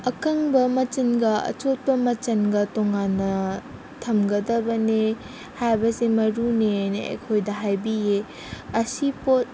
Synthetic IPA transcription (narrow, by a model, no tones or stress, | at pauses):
ɐkɐŋbɐmɐt͡ʃɐnɡɐɐ̰t͡ʃot̚pɐmɐt͡ʃɐnɡɐtoŋanːɐ | tʰɐmɡɐdɐbɐne | hajbɐsemɐɾuneneɐ̰jkʰojdɐɦajbije | ɐsipot̚